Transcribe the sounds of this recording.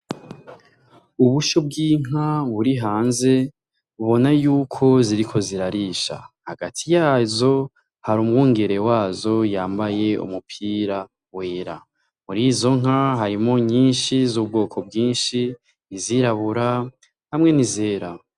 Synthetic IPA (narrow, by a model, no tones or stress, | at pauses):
uβuʃob̚ɡiːŋ̥aβuɾiɦaːnze̞ | uβo̞najuːkʰo̞ziɾikʰo̞ziɾaɾiːʃa̰haɡatʰijaːzo̞ | haɾumwuːŋɡe̞ɾe̞waːzo̞jaːmbaje̞ṵmupʰiːɾa | we̞ːɾa | muɾiːzo̞ŋ̥aɦaɾimo̞ɲiːnʃizuːbɡo̞ːkʰo̞b̚ɡiːnʃi | niziɾaβuɾa | hamŋe̞nize̞ːɾa